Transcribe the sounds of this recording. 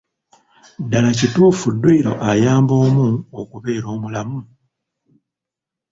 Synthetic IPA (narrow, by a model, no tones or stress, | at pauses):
dalacituːfudːwiːɾo̞̰ʔajaːmbo̞ːmuokuβe̞ːɾo̞ːmulamu